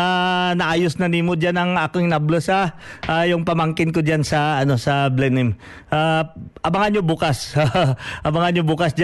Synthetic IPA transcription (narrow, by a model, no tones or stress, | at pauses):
anɐʔaːjosnɐniːmʊd͡ʒanɐŋakoŋnablosaʔajʊŋpɐmaŋkɪnkod͡ʒansɐɐno̞sɐblɛnɪm | ʔaʔɐmaŋanɲobukasaʔɐmaŋaɲjobukɐsd͡ʒa